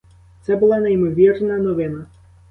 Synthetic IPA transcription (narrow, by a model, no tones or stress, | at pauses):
t̪sɛbʊlˠanɐjmɔʋʲirnɐnɔʋɪnɐ